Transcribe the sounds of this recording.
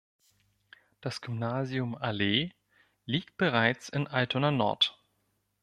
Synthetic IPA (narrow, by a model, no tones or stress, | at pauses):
d̥asɡ̥ʏmnaːziʊmaleː | liːk̚t̚b̥əʁ̞aɪt͡sɪnʔaltʰonanɔ̰ɐt